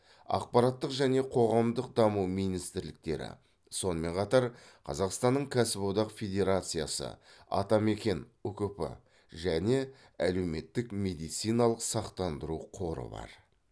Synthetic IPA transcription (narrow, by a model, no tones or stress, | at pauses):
ɑ̰q̚pɑɾɑt̪ːəqʒæne̞qʰo̞ʁɑmd̪əq̚d̪ɑmuwmijnijst̪ɪɾlɪk̚t̪e̞̰ɾɪ̰ | so̞nəme̞ɴqʰɑt̪ɑɾ | qʰɑ̰zɑqst̪ɑnːəɴkʲʰæsɪbod̪ɑqfʲed̪ʲe̞ɾat̪sɨja̰sə̰ɑ̰t̪ɑme̞kʲe̞nukʏpɪ̰ | ʒæne̞ | æle̞wme̞t̪ːɪkme̞d̪ijt̪sijnɑlˠəqsɑqt̪ɑnd̪əɾuqʰo̞ɾə̰bɑ̰ɾ